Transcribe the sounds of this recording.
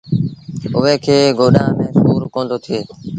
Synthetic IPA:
ʊʋeːkʰeːɡoːɗãːmẽːsuːɾkõːnd̪oːt̪ʰieː

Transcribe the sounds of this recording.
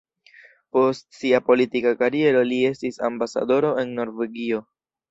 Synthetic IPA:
po̞stsiapo̞litikakaɾie̞ɾo̞lie̞stisa̰mbasa̰do̞ɾo̞e̞nːo̞ɾve̞ɡio̞

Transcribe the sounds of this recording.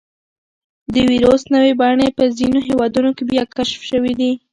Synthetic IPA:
d̪əwiɾosnəwebɑɳepəzinoɦewɑd̪unokebjɑkaʃfʃəwid̪i

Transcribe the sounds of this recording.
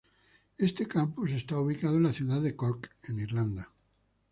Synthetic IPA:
e̞st̪ekampus̬e̞st̪auβ̞ikað̞oenlaθjuðaðe̞koɾkeniɾland̪a

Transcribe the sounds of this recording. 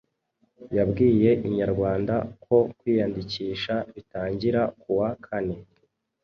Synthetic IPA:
jabɡiːje̞ʔiɲaɾɡwaːndakʰo̞kwiːjandiciːʃaβitaːɲɟiɾakuwakʰane̞

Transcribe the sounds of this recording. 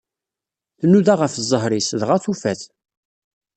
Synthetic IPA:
θnːuðaʁəfzˤːəɦɾisðʁaθufæθ

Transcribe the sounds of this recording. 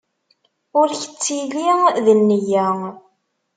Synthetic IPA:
ʊɾçə̥t͡sːiliðənːəjæ

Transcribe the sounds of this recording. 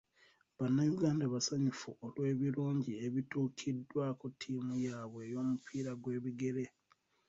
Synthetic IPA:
βanːajuɡaːndaβasaɲufuʔolwe̞ːβiɾuːɲɟie̞βituːkʰidːwakutʰːiːmujaːβwejo̞ːmupʰiːɾaɡwe̞ːβiɡe̞ɾe̞

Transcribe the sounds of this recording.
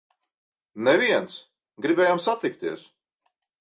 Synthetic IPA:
nɛviɛns | ɡɾibɛːjamsat̪ikt̪iɛs

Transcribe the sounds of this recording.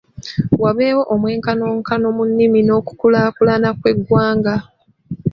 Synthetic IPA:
waβeːwo̞ʔomwe̞ːŋkano̞ːŋkano̞munːimino̞ːku̥kulaːkulanakwe̞ɡwaːŋɡa

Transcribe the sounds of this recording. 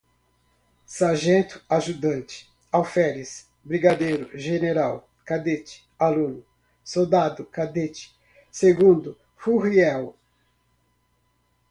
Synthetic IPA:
saʒẽnt̪ʊ̥aʒud̪ɐ̃nt͡ʃɪ̥ | awfɛɾis | bɾiɡad̪ejɾʊʒeneɾaw | kad̪et͡ʃɪ̥ | alũnʊ | sowd̪ad̪ʊkad̪et͡ʃɪ̥ | seɡũnd̪ʊ | huhiɛw

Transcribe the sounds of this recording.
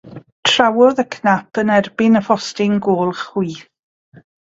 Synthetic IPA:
tʰr̥awɔðəkʰnapʰənɛrbɪnəfɔstɪŋɡoːlˠχwiː

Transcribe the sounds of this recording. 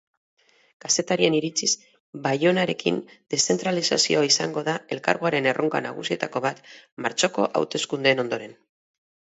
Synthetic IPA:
kase̞t̪aɾie̞niɾit͡sis | bajo̞naɾe̞kḭnd̪̥e̞sθe̞nt̪ɾalisasio̞aisaŋɡo̞ðae̞lka̰ɾɣuaɾe̞ne̞rʔoŋka̰na̰ɣ̞ṵsie̞t̪ako̞βat̪maɾt͡so̞ko̞ʔa̰wt̪e̞skund̪eːno̞nd̪o̞ɾe̞n

